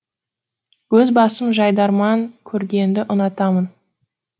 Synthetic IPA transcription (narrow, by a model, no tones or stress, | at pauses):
wɵzbɑsəmʒɑjd̪ɑɾmɑŋkʲʰɵɾɡʲe̞nd̪ɪʔʊnɑt̪ɑmən